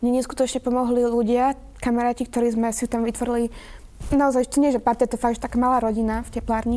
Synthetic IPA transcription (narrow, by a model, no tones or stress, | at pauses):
ɲɛɲɛsku̥t̪ɔt͡ʃɲɛpɔmɔɦliluɟɪa | kamɛɾaːcik̚t̪ɔɾiːzmɛsit̪amʋit̪ʋɔɾili | naɔzajʒt̪ɔɲɪɛʒɛpat̪ɛt̪ɔfaɡʒɛt̪akaːmalaːɾɔɟinafcɛplaːɾɲi